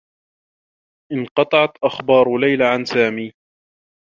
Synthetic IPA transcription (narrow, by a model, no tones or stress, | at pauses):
ʔɪnqɑt̪ˤɑʕɑt̪ʔaxbɑːɾˤlajlaʕansaːmiː